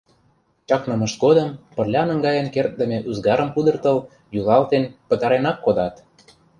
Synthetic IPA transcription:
t͡ɕɑknɤ̆mə̆ʃɡod̪ɤ̆mpə̆rlʲɑnə̆ŋɡɑjə̆nkert̪̚d̪ə̆mʲĕʔuzɡɑɾə̆mkud̪ɤ̆rt̪ɤ̆l | julˠɑlt̪enpə̆t̪ɑɾenɑkːod̪ɑt̪

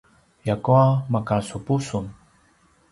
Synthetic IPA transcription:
jakuamakasupusun

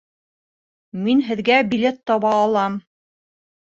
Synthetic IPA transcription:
minɦɘ̆ðɡæbʲilʲet̪ːɑβɑːlˠɑm

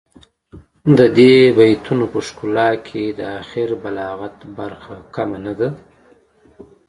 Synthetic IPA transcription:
d̪əd̪ebajt̪unopəʂkulɑkʰed̪əaxɪɾbalɑɣat̪baɾxakamanad̪a

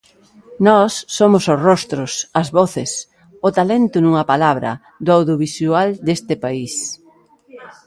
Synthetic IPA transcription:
nɔsːomʊsʊsrɔst̪ɾʊsɐzβɔθɪs | ʊt̪alent̪ʊnuŋɐpalaβɾɐ̰ | d̪ʊawðjoβisuald̪est̪ɪpais

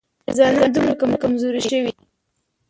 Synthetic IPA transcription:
zɑnad̪umɾakamakamzoɾiʃəwi

